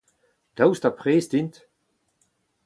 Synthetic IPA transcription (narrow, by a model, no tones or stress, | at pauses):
d̥awstapʁeːsdint̪